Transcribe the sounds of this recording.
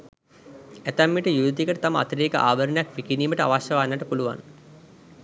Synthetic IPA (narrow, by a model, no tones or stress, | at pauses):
æt̪æmːiʈəjuʋt̪ikəʈət̪aməa̰t̪əɾeːkəʔa̰ːʋəɾənejakʋikiniːməʈəa̰ʋaʃjəʋaːnːəʈəpuluʋa̰n